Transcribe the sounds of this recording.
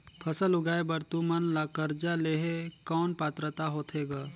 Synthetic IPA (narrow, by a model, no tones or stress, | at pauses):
pʰɐsəlʊɡaːebɐɾt̪umənlakəɾd͡ʒaleːɦekɔːnpaːt̪ɾət̪aɦoːt̪ʰeːɡaː